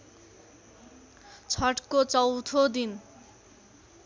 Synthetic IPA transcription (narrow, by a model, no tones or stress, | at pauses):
t͡sʰʌʈkot͡sʌwt̪ʰod̪in